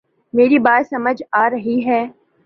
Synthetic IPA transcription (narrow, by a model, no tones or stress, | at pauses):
meːɾibaːt̪sɐməd͡ʒaːɾɐɦiɦɛː